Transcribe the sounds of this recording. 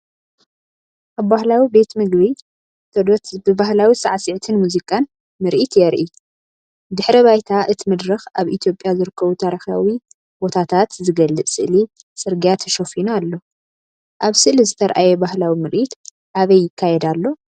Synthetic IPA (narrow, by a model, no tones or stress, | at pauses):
ʔaβbahlawibe̞t̪mɨɡβi | t̪ʰɐd̪obɨbahlawisɐʕasɨʕt̪ʰɨnmuzikʼan | mɨɾʔit̪jɛɾʔi | d̪ɨħɾiβajt̪ʰaʔɨt̪ʰimɨd̪ɾɨxaβʔit̪ʰjo̞pʼjazɨɾɨkʰːɐβut̪ʰaɾixa̰wi | bo̞t̪ʰat̪ʰat̪zɨɡɐlːɨʔsɨʔli | sʼɨɾɡijat̪ʰɐ̥ʃofinalːo̞ | ʔaβsɨʔlizɨt̪ʰɐɾʔajɛbahlawimɨɾʔit̪ | ʔaβɐjːɪkʰːajɛd̪alːo̞